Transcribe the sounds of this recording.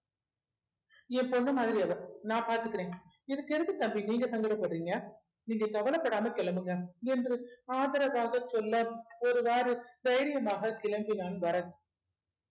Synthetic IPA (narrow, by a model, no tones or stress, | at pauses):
ɛ̃pɔɳːɯmaːðɪɾiɐʋɐɾnãːpaːɾt̪ɯkːɪɾẽː | ɪðɯkːɛɾɯkːɯt̪ɐmbiniːŋɡɐsɐŋɡɪɾɐpːɐɽɯɾiːŋɡɐ | niːŋɡɐkɐʋɐlɐpːɐɽaːmɐkɛɭɐmbɯŋɡɐɛndrɯaːðɐɾɐʋaːɣɐsɔlːɐɔɾɯʋaːɾɯd̪ɐjɪɾɪjɐmaːɣɐkɪlɐmbinaːnʋɐɾɐt̪ːɯ